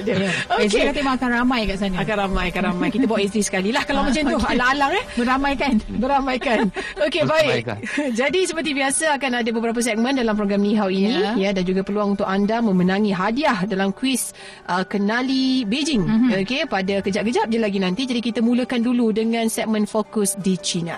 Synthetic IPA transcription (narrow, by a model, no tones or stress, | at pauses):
dəjaoskekat̪emaakanramãjkaʔsanəakanramãjakanramãjkit̪abawaʔɛs̬d̪isə̥kalilahkalawmat͡ʃamt̪ualaŋalaŋɛbəɾamãjkanbəɾamajkanokebaik̚d͡ʒadisəpərt̪̬ibiasaakanadabəbəɾap̬as̬ɛk̚mə̃ndalampɾoɡɾamniɦawinĩjədand͡ʒuɡapərluaŋunt̪ʊkandamə̃mənãŋiɦadiahdalamkwis | ʔəkənalibed͡ʒɪŋokepadakəd͡ʒaʔɡəd͡ʒap̚d͡ʒalaɡinãnt̪id͡ʒadikit̪amũləkanduludəŋãnsɛk̚mə̃nfokʊsdit͡ʃina̰